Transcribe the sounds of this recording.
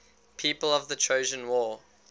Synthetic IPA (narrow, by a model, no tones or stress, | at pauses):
pʰiːˑpələvðətʰɹ̥əʊʒə̃nwɔː